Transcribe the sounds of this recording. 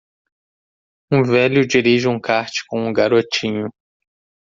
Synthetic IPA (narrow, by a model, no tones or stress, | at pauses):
ũvɛlʊd͡ʒiɾiʒɪũkaɾt͡ʃɪ̥kõũɡaɾot͡ʃĩɲʊ